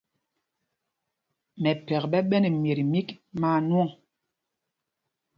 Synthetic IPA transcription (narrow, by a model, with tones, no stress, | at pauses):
mɛ˨pɛ˨kɓɛ˦ɓɛ˦nɛ˨mje˨ɾi˨mi˦kmaː˦˨nwɔ˦ŋ